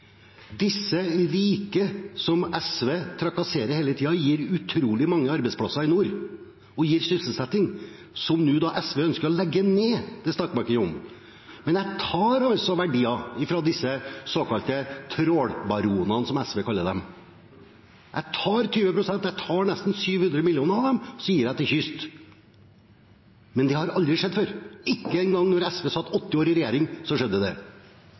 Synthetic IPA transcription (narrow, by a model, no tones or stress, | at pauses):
d̪ɪsːəɾiːkəsɔmɛsʋeːt̪ʰɾɑkɑseːɾəɾheːlət̪ʰiːɑjiːɾʉt̪ʰɾuːlɪmɑŋːəɑɾbɛɪspʰɽɑsɑɪnuːɾ | ɔjiːɾsʏssəlsɛt̪ːɪŋ | sɔmnʉːd̪ɑːʔɛsʋɛːœnskəɾɔlɛɡːəneːd̪̥ɛst̪ɑkmɑɾkəəʊm | mɛnjæɪt̪ʰɑːɾɑlsɔʋæɖiːɑɪfɾɑd̪ɪsːəsoːkɑlt̪ət̪ʰɾoːɽbɑɾuːnɑnsɔmɛsʋeːkʰɑlːəd̪ɛm | jʔæ̰ɪt̪ʰɑːɾt̪ʰyːʋəpʰɾʊsɛnt̪jæɪt̪ʰɑːnɛst̪n̩syːʋhʉnd̪ɾəmɪljɪuːnəɾɑʋd̪ɛmsijːəɾjæɪt̪ʰɪçʏst̪ | mɛnd̪ɛhɑɾɑld̪ɾɪʂɛd̪ːføɾɪkːəɛnɡɑŋnɔɾɛsʋeːsɑt̪ːɔt̪ːɪoːɾɪɾɛjeːɾɪŋsɔʂɛd̪ːəd̪ɛ̰